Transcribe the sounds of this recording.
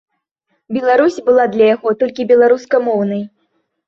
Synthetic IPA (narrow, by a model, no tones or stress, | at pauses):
bʲɛlˠaɾusʲbɨlˠad̪lʲɐjaɣɔt̪ɔlʲkʲibʲɛlˠaɾuskɐmɔwnɐj